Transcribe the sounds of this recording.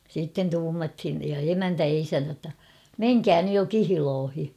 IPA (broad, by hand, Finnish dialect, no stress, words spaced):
siːtːen tuːmɑthin jɑ emæntæ jɑ isæntæ tːɑ meŋkæː nyj jo kihiloːhi